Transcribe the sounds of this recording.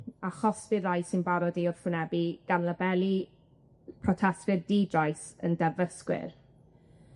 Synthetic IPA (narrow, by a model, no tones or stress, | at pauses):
aχɔsvɪrajsɪnbaɾɔdiʊrfʊnɛbiɡ̥anlˠəbɛlˠi | pʰrɔtʰɛstɨrdiːdrajsəndɛvəskwɪ̰r